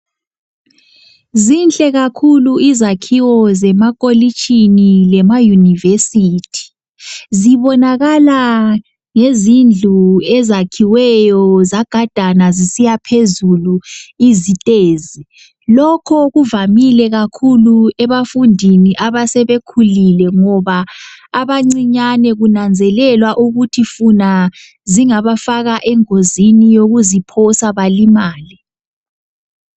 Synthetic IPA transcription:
zint͡ɬʼɛɣakʰuluizakʰiwɔzɛmakʼolit͡ʃʼʰinilɛmajunivesiːtʰi̥ | ziβɔnaɣala | ŋezind͡ɮʱuɛzakʰiwɛjɔzaɡ̥ʱad̥ʱanazisijapʰezuluizitʼeːzi | lɔkʰɔɣuvamilɛɣakʰuluɛβafundʱiniʔaβasɛβekʰulilɛŋɔβaːβaŋ͡ǀiɲanɛɣunand͡zʱɛlɛlwaʔuɣutʰifuna | ziŋaβafaɣaʔɛŋozinijoɣuzipʰɔsaβalimaːli

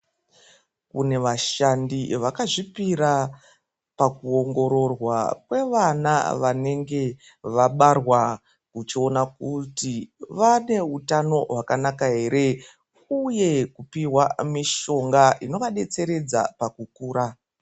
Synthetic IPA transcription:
kune̞ʋaʃandiʋakaʐipiɾa | pakuo̞ŋɡo̞ɾo̞rwakwe̞ʋana̰ʋane̞ŋɡe̞ | ʋaɓarwa | kut͡ʃio̞nakutiʋane̞utano̞ɦwakanakaɦe̞ɾe̞ | uje̞kupiwamiʃo̞ŋɡaino̞ʋaɗe̞t͡se̞ɾe̞d͡za̰pakukuːɾa

